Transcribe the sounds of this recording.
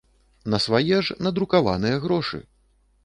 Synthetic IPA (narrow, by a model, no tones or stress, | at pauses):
nɐsvajɛʐnɐd̪ɾukava̰nɨjɐɣɾɔʂɨ̰